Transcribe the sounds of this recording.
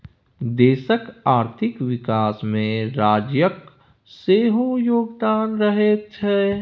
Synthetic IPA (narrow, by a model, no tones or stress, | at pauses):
d̪eːʃəkaːɾt̪ʰɪkʋɪkaːsmẽɾaːd͡ʒjək | seːɦõjoːɡd̪aːnɾəɦet̪ɦɛː